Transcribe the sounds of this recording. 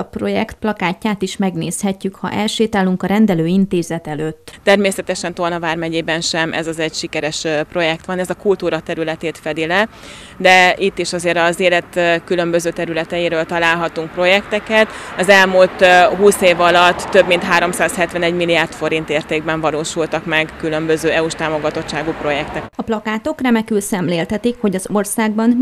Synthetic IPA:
ɒpro̞jɛkt̪̚plɒkaːcːaːt̪iʃmɛɡneːshɛcːykhɒ̰ʔɛlʃeːt̪aːluŋkɒɾɛnd̪ɛløːint̪eːzɛt̪ɛløːt̪ːt̪ɛrmeːsɛt̪ɛʃɛnt̪ornɒvaːrmɛɟeːbɛnʃɛmʔɛ̰zɒzɛɟʃikɛɾɛʃpro̞jɛk̚t̪ʋɒnɛzɒkult̪uːɾɒt̪ɛɾylɛt̪eːt̪fɛd̪ilɛ | d̪ɛʔit̪ːiʃɒzeːɾɒzeːlɛt̪kylø̞mbøzøːt̪ɛɾylɛt̪ɛjiɾøːlt̪ɒlaːlɦɒt̪uŋk̚pro̞jɛkt̪ɛkɛt̪ɒzɛlmult̪ɦuːseːvɒlɒt̪ːøbmin̪t̪ɦaːɾo̞msaːshɛt̪ʋɛnɛɟmilijaːrt̪fo̞ɾint̪eːrt̪eːɡ̚bɛɱvɒloːʃult̪ɒkmɛɡkylømbøzøːɛuʃt̪aːmo̞ɡɒt̪o̞t͡ʃːaːɡupro̞jɛkt̪ɛkɒplɒkaːt̪o̞krɛmɛkylsɛmleːlt̪ɛt̪ikho̞ɟɒzorsaːɡ̚bɒn

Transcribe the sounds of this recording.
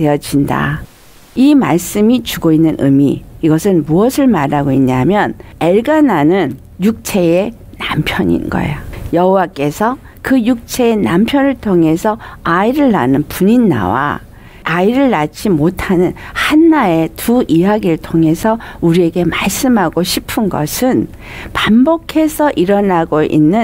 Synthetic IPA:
te̞jʌd͡ʑinda̰ | ima̰ɭs͈ɯmit͡ɕuɡoinːɯnʔɯmiːɡʌsʰɯnmuʌsʰɯɭmaɾaɡoiɲɲamjʌne̞ɭɡananɯn | juk̚t͡ɕʰe̞e | nampʰjʌɲḭnɡʌ̰ḛojʌɦowak͈e̞sʰʌ | kɯjuk̚t͡ɕʰe̞enampʰjʌnɯɭtʰoŋe̞sʰʌaiɾɯɭːa̰nɯnpuɲinːa̰wa̰ | aiɾɯɭːat͡ɕ͈imotʰanɯnhanːae̞tuijaɡiɾɯɭtʰoŋe̞sʰʌuɾie̞ɡe̞maɭs͈ɯmɦaɡoɕʰipʰɯnɡʌ̰sʰɯn | pambokʰe̞sʰʌʔiɾʌnaɡoʔḭnːɯ

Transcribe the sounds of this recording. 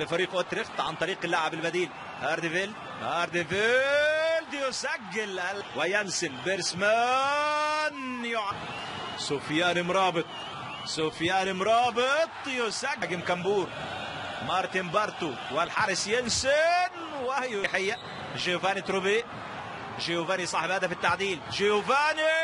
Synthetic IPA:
lɪfɑɾiːqʔʊt̪ɾɪxt̪ʕant̪ˤɑɾiːqɪlːaʕabɪlbad̪iːl | haːɾˤd̪ɪvɪl | haɾd̪ɪvɪ | ld̪jʊsaɡːɪlalwajansɪnbɪɾsma | njʊʕa | sʊfjaːnɪmɾˤɑːbɪt̪ˤ | sʊfjaːnimɾˤɑːbɪt̪ˤjʊsaɡɡɪmkambuːɾ | mɑɾˤt̪ɪmbɑɾˤt̪ʊ | walħɑɾˤɪsjɪnsɪn | wajʊħɪjːa | ʒɪʊvaːnit̪ɾʊbeː | ʒɪhʊvaːnisˤɑːħɪbhaːd̪afit̪ːaʕd̪iːlʒɪʊvaːni

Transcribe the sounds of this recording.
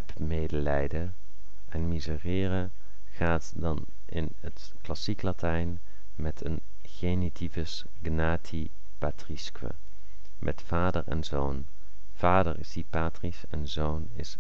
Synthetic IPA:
ɛpmejdəlɛjdə | ɛnmizərɪːrə | χaːtdɑn | ʔɪn | ət | klɑsiklatɛjn | mɛtʰən | χenitʰivəs | ɡnaːtʰi | patriskʋə̰ | mʔɛ̰tfaːdəɹɛ̰nzown | v̥aːdəɹɪ̰sdipaːtrisɛnzownɪs

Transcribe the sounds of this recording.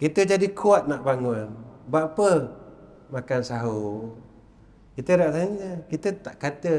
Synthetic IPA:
kit̪əd͡ʒadikʰuat̪̚naʔbaŋonbaʔpə | makansaɦu | kit̪əɾaʔt̪aɲəkit̪ət̪aʔkat̪ə

